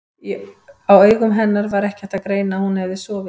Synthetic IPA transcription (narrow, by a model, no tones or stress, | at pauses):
awœːɥɣʏmɦɛnːaɾvaɾɛhcɪɛht̪akɾeːjnahunhɛvðɪsɔːvɪ